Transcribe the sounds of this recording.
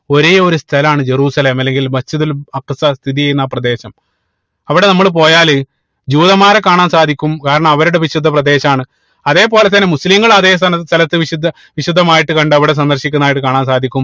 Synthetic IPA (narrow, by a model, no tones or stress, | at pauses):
o̞ɾeo̞ɾust̪ʰɐlɐmaːɳɨd͡ʑeruːsɐle̞ːmɐlːe̞ŋɡilbɐt͡ɕːuðulɐkːsɐst̪ʰiðijejunːaːprɐd̪e̞ːɕɐm | ɐʋiɽe̞nɐmːɐɭp̬o̞ːjaːlɨ | d͡ʑuːiðɐmaːɾekaːɳaːnsaːd̪ʱikʲːumkaːɾɐɳɐmɐʋɐɾuɽe̞ʋiɕud̪ʱːɐprɐd̪e̞ːɕɐmaːɳɨ | ɐðe̞ːpo̞ːlet̪̬ːɐnːe̞musliŋɡɐɭɐðeːsst̪ʰɐlɐt̪ːɨʋiɕud̪ʱːɐ | ʋiɕud̪ʱːɐmaːjiʈːɨkɐɳɖɨɐʋiɽe̞s̬ɐnd̪ɐrɕikʲːunːaːjʈːɨkaːɳaːnsaːd̪ʱikʲːum